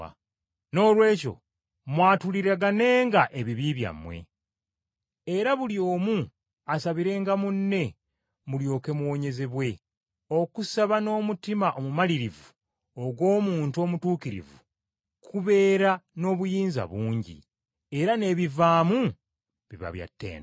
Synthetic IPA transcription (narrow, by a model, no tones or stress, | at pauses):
no̞ːlwe̞ːco̞̰ | mwaːtuliɾaɡane̞ːŋɡaʔeβiβiβja̰mːwe̞̰ | e̞ɾaβuljo̞ːmu | asaβiɾe̞ːŋɡamunːe̞ | muljo̞ːke̞muwo̞ɲe̞ze̞βwe̞ | o̞kusaβano̞ːmutimaʔomumaliɾivu | oɡwo̞ːmuːntuo̞mutuːkiɾḭvu | kʰuβe̞ːɾano̞ːβujiːnza̰βuːɲɟḭ | e̞ɾane̞βivaːmu | βiβa̰βja̰tːḛːna